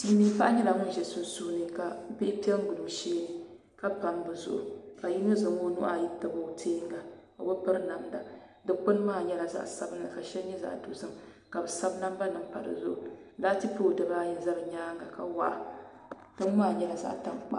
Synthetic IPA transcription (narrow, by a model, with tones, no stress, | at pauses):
miː˦pa˦ʔɲɛ˦la˨ŋʊ˦n˦ʒɛ˨so˦sʊ˦hnɨ˨ka˨bɪ˦pi˦ɛ˦ŋ˦ɡʊ˨lʊ˨ŋʃeː˦nɨ˦ | ka˦pa˨mbɨ˨zʊ̰˦ʔʊ̰˨ka˨ji˦ŋɨ˦zɨ˨ŋo˦nṵ˦ʔa˨ji˦tɨ˨bo˨˦˨tʰeː˦ŋɡa˨ko̰˨bɨ˦pɨ˦ɾna˨mda˨dɨ˦k͡pʊ˦n˦maː˦˨ɲɛ˦la˨za̰˦ʔsa˦bɨ˦nla˨ka˨ʃɛ˦lɲɛ˦za̰˨ʔdo˨zɨ˦m˨ | ka˨bɨ˨sa˦bna˦mba˦nɨ˨m˦pa̰˨ɾɨ̰˨zʊ̰˦ʔʊ˨˦la˦ti˦poː˦˨dɨ˨baː˦jɪ˦˨za˦ɾɨ˨ɲaː˦ŋɡa˨ka˨wa̰˦ʔa˨ | tɨ˦m˦maː˦˨ɲɛ˦la˨za̰˦ʔta˦ŋk͡pa̰˦